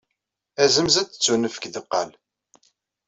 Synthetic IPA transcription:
æzəmzæt͡sːə̥t͡sːunəfə̥kðəqːɑ̰l

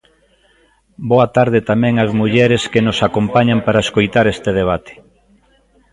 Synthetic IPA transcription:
boat̪aɾðɪt̪amɛ̃ŋɐzmuʎɛɾeskenosakompaɲampaɾaeskojt̪aɾest̪eðeβ̞at̪ʰe̥

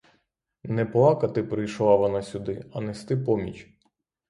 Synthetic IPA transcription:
nɛplˠɑkɐt̪ɪpɾɪjʃlˠɑʋɔnɑsʲʊd̪ɪɐnɛst̪ɪpɔmʲḭt͡ʃ

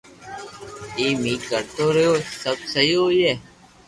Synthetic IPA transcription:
iːmiːkəɾt̪oːɾəjoːsəbsəɦiːoːjeː

